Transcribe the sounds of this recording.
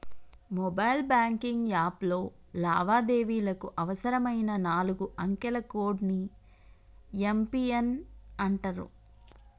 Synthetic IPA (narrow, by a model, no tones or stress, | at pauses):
mɔbɐjlbaːŋkiŋɡjaːplo̞ː | la̰ːʋaːd̪e̞ːʋiːlɐkuʔɐʋɐsɐɾɐmɐjnɐnaːluɡuɐŋkɛlɐko̞ːɖni | empienɐɳʈɐɾṵ